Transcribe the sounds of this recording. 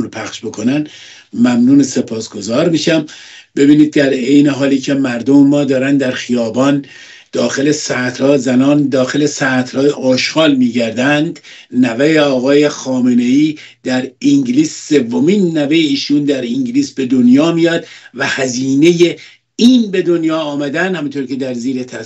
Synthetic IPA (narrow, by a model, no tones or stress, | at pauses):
ɾpʰæxʃbokʰonæn | mæmnuːnese̞pʰɒːsɡ̥o̞zɒːɾmiːʃæm | be̞biːniːd̪̚ːæɾejneɦɒːliːcʰe̞mæɾd̪omemːɒːd̪ɒːɾænd̪æɾxijɒːbɒːn | d̪̥ɒːxe̞lesæt̪ʰhɒːzænɒːnd̪ɒːxe̞lesæt̪hɒːjeʔɒːʃxɒːlmiːɟæɾd̪ænd̪ | nævejeɒːɣɒːje̞xɒːmene̞iː | d̪̥æɾiŋɡliːsːe̞vːomiːnːævejeiːʃuːnd̪æɾiŋɟliːsbe̞d̪onjɒːmijɒːd̪væhæziːne̞je | iːnbe̞d̪o̞njɒːmæd̪ænd̪hæmint̪ʰoɾcʰed̪æɾziːɾet̪ʰæ